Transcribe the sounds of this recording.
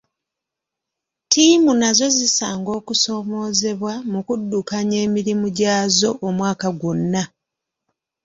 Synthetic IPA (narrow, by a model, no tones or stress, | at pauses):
tiːmunazo̞zisaːŋɡo̞ːkuso̞mo̞ːze̞βwamukudːukaɲe̞ːmiɾimuɟaːzo̞ʔːmwaːkaɡonːa